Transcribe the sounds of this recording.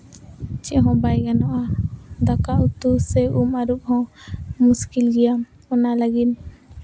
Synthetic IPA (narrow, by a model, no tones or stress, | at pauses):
t͡ʃɛʔɦɔ̃bajɡanɔʔad̪akaʔut̪usɛumaɾuk̚hɔ̃muskilɡɛja | ɔnalaɡin